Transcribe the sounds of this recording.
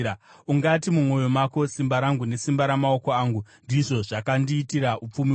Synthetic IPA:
uŋɡatimumo̞jo̞mako̞simbaɾaŋɡune̞simbaɾamao̞koaːŋɡundiʐo̞ʐakandiːtiraʔup͡fumi

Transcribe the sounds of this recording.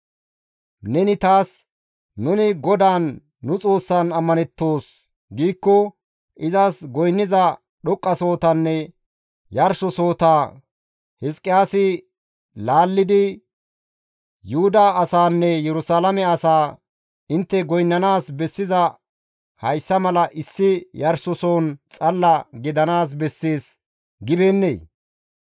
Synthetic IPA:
nɛnɪt̪aːs | nʊnɪɡɔd̪aːnː | ʊt͡sʼo̞ːsːanɐmːɐnɛt̪ːo̞ːs | ɡiːkːɔ | ʔɪzɐsɡɔjnːɪzɐ | ɗɔkʼːɐso̞ːt̪ɐnːɛ | jɐɾʃɔso̞ːt̪aː | hɪskʼɪjaːsɪ | laːlːɪd̪ɪ | jʊhʊd̪aɐsaːnːɛjɛɾʊsaːlɐmɛɐsaː | ɪnt̪ːɛɡɔjnːɐnaːsbɛsːɪzɐ | hɐjsːɐmɐlɐʔɪsːɪjɐɾsɔso̞ːnt͡sʼɐlːɐɡɪd̪ɐnaːs̬bɛsːeːs | ɡɪbeːnːḛː

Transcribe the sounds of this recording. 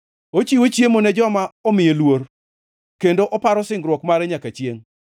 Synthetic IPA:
ot͡ʃiwot͡ʃjemonɛd͡ʒɔmaɔmɪjelwoɾ | kendoʔɔpaɾɔsɪŋɡɾwɔkmaɾɛɲakat͡ʃjeŋ

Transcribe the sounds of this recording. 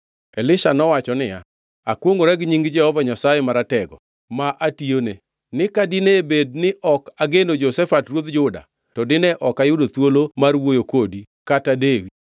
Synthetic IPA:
elɪʃanɔwat͡ʃɔnɪja | akwoŋɡoɾɛɡɲiŋɡd͡ʒɛhɔvaɲasajemaɾatɛɡɔ̰ | maʔatione | nɪkadɪnebed̚nɪʔɔkaɡenod͡ʒosɛfatrwod̪d͡ʒʊda̰ | tɔdɪnɛʔɔkajʊdot̪wolomarwojokodikatadewi

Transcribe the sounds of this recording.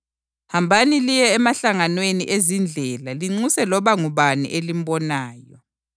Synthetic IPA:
hambʱanilijɛːmaɬaŋanwenḭʔezind͡ɮʱɛlaliŋ͡ǀusɛlɔβaŋuβanḭʔelim̩bɔnaːjɔ

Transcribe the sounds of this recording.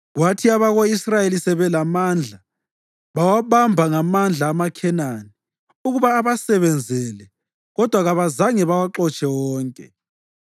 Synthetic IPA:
ɣwatʰiaβaɣoisrajelisɛβɛlamand͡ɮʱa | βawaβambʱaŋamand͡ɮʱaːmakʰɛnani | uɣuβaːβasɛβɛnd͡zʱɛlɛ | ɣɔd̥ʱwaɣaβazaŋɛβawaǃɔt͡ʃʼɛwɔːŋkʼɛ

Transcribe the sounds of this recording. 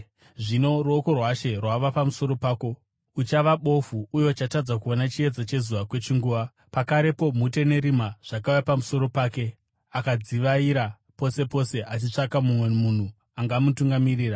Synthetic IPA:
ʐino̞ruoko̞rwaʃe̞rwaʋapamuso̞ɾo̞paːko̞ | ut͡ʃaʋaɓo̞fuːjo̞t͡ʃatad͡zakuonat͡ʃie̞d͡zat͡ʃe̞zuʋakwe̞t͡ʃiŋɡuːʋa | pakaɾe̞po̞mute̞ne̞ɾimaʐ̥akaujapamuso̞ɾo̞paːke̞ | akad͡ziʋaiɾa | po̞se̞po̞se̞ʔat͡ʃit͡ʂakamumwe̞mun̤u | aŋɡaːmutuŋɡamiriːra

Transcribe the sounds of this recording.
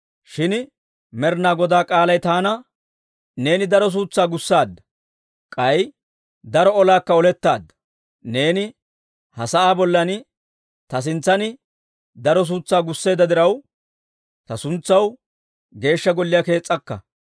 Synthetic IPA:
ʃɪn | mɛɾnaːɡɔd̪aːkʼaːlɐjt̪aːnɐ | ne̞ːnɪd̪ɐɾɔs̬uːt͡sːaːɡʊsːaːd̪ːɐ | kʼɐj | d̪ɐɾɔɔlaːkːɐɔlɛt̪ːaːd̪ːɐ | ne̞ːnɪ | hɐsɐʔaːbɔlːɐnɪ | t̪ɐs̬ɪnt͡sːɐnɪ | d̪ɐɾɔs̬uːt͡sːaːɡʊsːe̞ːd̪ɐd̪ɪɾɐw | t̪ɐsʊnt͡sːɐw | ɡe̞ːʃːɐɡɔlːɪjɐke̞ːt͡sʼːɐkːɐ̰

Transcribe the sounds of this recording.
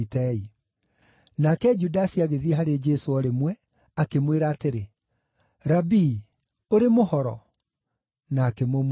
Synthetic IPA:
tɛi | nakɛd͡ʒudasiaɣeðiɛɦaɾed͡ʒɛsoɔɾemwɛ | akemweɾaːteɾe | ɾabi | oɾemohɔɾɔ̰ | naːkemom

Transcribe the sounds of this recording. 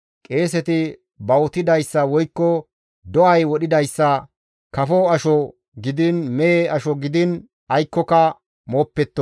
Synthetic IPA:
kʼe̞ːsɛt̪ɪ | bɐwɔt̪ɪd̪ɐjsːɐwɔjkːɔ | d̪ɔʔɐjwɔɗɪd̪ɐjsːɐ | kɐfɔɐʃɔ | ɡɪd̪ɪnmɛeɐʃɔɡɪd̪ɪn | ɐjkːɔkɐ | moːpːɛt̪ːɔ

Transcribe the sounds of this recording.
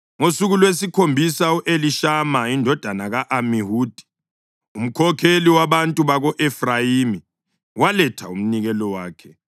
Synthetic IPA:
ŋosuɣulwesikʰombʱisauʔeliʃamaindʱɔd̥ʱanaɣaʔamiɦuːd̥ʱi̥ | um̩kʰɔkʰeliwaβantʼuβaɣɔʔɛfrajimi | walɛtʰaum̩niɣɛlɔwaːkʰɛ

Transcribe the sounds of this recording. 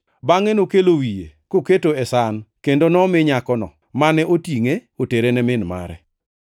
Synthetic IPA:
baŋɛnokelowijḛkoketoɛsankendonɔmɪɲakɔnɔ̰ | manɛʔotiŋeoteɾenɛmɪnma̰ɾɛ̰

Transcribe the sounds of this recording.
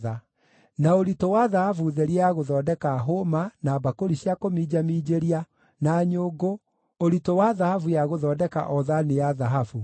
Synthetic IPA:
a | naoɾitowaðahavuðɛɾiaɣoðɔːdɛkaɦomanabakoɾiɕjakomid͡ʑamiːd͡ʑeɾia | naɲoːɡo | oɾitowaðahavujaɣoðɔːdɛka̰ʔɔðanejaðaɦafu

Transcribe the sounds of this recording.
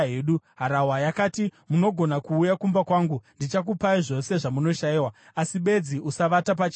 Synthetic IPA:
eːɗuɦaɾawajakaːtimuno̞ɡʱo̞nakuːjakumbakwaːŋɡundit͡ʃak̬upaiʐo̞se̞ʐamuno̞ʃajiwa | asiɓe̞d͡ziʔusaʋatap̬at͡ʃː

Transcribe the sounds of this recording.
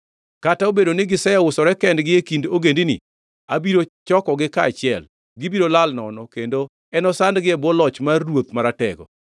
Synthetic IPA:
kataobedonɪɡɪsɛjɔʊsɔɾɛkɛndɡɪekindoɡendinɪ̰ | a̰biɾot͡ʃɔkɔɡɪkaːt͡ʃɪɛl | ɡɪbiɾolalnɔ̰nɔkendo | ɛnɔsandɡɪɛbɔlɔt͡ʃmarːwot̪maɾatɛ̰ɡɔ̰

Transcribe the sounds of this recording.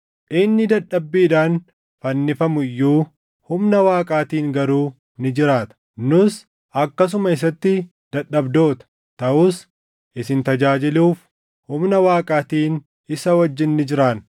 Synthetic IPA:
ʔɪnːɪd̪ɐᶑːɐbːiːᶑ̪aːn | fɐnːɪfɐmʊjːuː | hʊmnɐwaːkʼaːt̪iːŋɡɐɾuː | nɪd͡ʒɪɾaːt̪ɐ̥ | nʊs | ʔɐkːɐs̬ʊmɐɪs̬ɐt̪ːɪ | d̪̥ɐᶑːɐbd̪o̞ːt̪ɐ̥ | t̪ɐʔuːs | ʔɪsɪnt̪ɐd͡ʒaːd͡ʒɪluːf | hʊmnɐwaːkʼaːt̪iːn | ɪsɐwɐd͡ʒːɪnːɪd͡ʒɪɾaːn

